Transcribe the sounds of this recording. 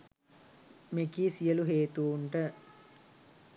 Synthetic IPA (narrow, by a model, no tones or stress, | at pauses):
mekisijəluɦeːt̪uuɳʈə